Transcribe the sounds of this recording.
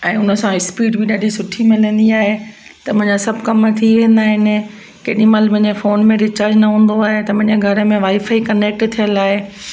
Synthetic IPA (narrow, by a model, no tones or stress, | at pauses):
ɛ̃ːʊnə̆sãɦɪspiːʈbiɗaːɖʱisʊʈʰimɪlə̃nd̪iaːɦet̪ɐmʊ̃ɦɪ̃ɲd͡ʑasɐbʱkɐmt̪ʰiʋẽːn̆d̪aːɦɪnɪ̆ | keɗĩmaləbɐ̃ɦɪ̃ɲd͡ʑefoːnmẽɾɪt͡ɕaːɾd͡ʑnɐɦũːn̆d̪oaːɦet̪ɐmɐ̃ɦɪ̃ɲd͡ʑeɡʱɐɾə̆mẽʋaːifaikɐneːk̚ʈt̪ʰijəlaːɦe